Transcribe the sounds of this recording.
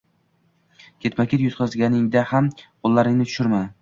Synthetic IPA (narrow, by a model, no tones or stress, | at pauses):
kʲʰe̞t̪makʲʰet̪jʊt̪̚qʰɒzɡʲanɪŋd̪ahamqʰolˠːaɾɪŋnɪt̪ʰʊ̥ʃɪɾman